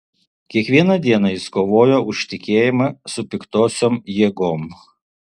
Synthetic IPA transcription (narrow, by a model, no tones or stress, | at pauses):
kʲiɛkʋʲiɛnɐd̪ʲiɛnɐjɪskoːʋoːjoːʊʃʲt̪ʲɪkʲeːjɪmɐsʊpʲɪkt̪oːsʲoːmjiɛɡoːm